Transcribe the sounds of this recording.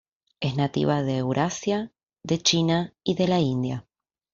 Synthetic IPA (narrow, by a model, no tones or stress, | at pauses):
esnat̪ḭβaðeːwɾʔasja | ðe̞t͡ʃinaiðe̞laind̪ja